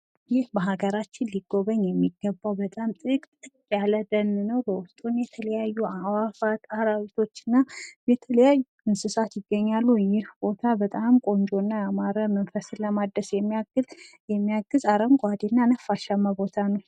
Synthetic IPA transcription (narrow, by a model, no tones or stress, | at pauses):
jɪhbəɦaɡəɾat͡ʃːɪnliɡːo̞βəɲːjɛmːiɡːəbːawbət̪ʼamt̪ʼɨkʼt̪ʼ | jaləd̪ənːnəwbəwʊst̪ʼunjɛt̪ʰələjajːuawafat̪ahɾawit̪ʰo̞t͡ʃːɨnːajɛt̪ʰələjajːuɨnsɨsat̪jɪɡːəɲːalːujɪhb̥o̞t̪ʰabət̪ʼamkʼo̞nd͡ʒo̞nːaamaɾəmənfəsləmad̪ːəsjɛmːijaɡɨljɛmːijaɡːɨzaɾəmɡʷad̪enːanəfaʃamːabo̞t̪ʰanəw